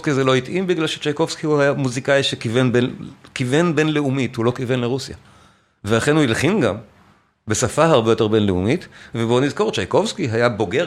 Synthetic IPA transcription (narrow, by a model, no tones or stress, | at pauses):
skizelo̞itimbiɡlalʃet͡ʃejko̞vskihuhajamuzikaiʃekivenbenkivenbe̞nle̞umithulo̞kive̞nleʁusja̰ | velaχenhuilχimɡam | besafahaʁbejo̞te̞ʁbe̞nleṵmitvebo̞nizko̞ʁt͡ʃajko̞vskiɦajabo̞ɡe